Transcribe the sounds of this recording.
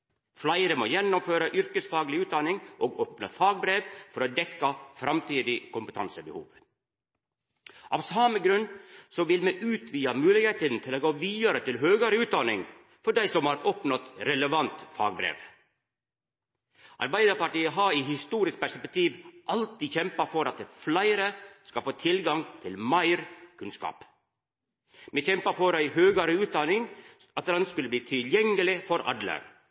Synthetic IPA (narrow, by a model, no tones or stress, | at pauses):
flɑɪɾəmoːjɛnːɔmføːɾɑʔʏɾkəsfɑːɡlɪʉːt̪̚d̪ɑnɪŋʔoːɡoːpnəfɑːɡ̚bɾeːʋfɔɾod̪ɛkːɑfɾɑmt̪ʰiːd̪ɪkʰʊmpət̪ʰɑ̰nsəbə̰hṵːʋ | ʔɑ̰ʋsɑməɡɾʉnsɔʋɪlmɛʔʉːt̪ʰʋiːɑmʉːlɪɡheːt̪ənt̪ʰɪloːɡoːʋiːɑɾət̪ɪlɦøːɡɑɾəʉːt̪̚d̪ɑnɪ̰ŋ | fɔɖæɪsɔmhɑɾɔpnɑt̪ɾɛləʋɑnt̪fɑ̰ːɡbɾḛːʋ | ʔɑ̰ɾbæɪd̪əɾpɑʈiːəɦɑiːhɪst̪uːɾɪsk̚pæʂsɛpɛk̚t̪ʰiːʋʔɑlt̪iːçɛmpɑfɔɾɑt̪̚ɛflæɪɾəskɑfoːt̪ʰɪlɡɑŋt̪ʰɪlmɑɪɾkʰʉnskɑ̰ːp | meːçɛmpɑfɔɾæɪhøːɡɑɾəʉːt̪̚d̪ɑnɪŋ | ɑt̪d̪ɛnskʉləb̪iːt̪ʰɪljɛŋːəlɪfɔɾʔɑ̰d̪lə̰